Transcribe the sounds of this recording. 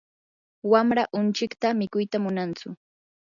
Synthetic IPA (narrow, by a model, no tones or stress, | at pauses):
wamɾaʔʊnt͡ʃɪkt̪amɪkʊjt̪amʊnant͡sʊ